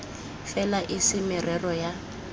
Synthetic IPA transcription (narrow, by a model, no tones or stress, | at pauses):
fɛlaʔɪsɪmɪrɛrɔja